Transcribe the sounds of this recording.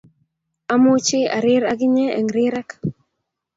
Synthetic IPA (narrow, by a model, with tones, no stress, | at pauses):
a˦mʊ˦t͡ʃɪ˦a˨ɾɪ˦ɾa˦ɡɪ˦ɲɛ˦ɛ̰˨ŋɾɪ˦ɾɛ˦k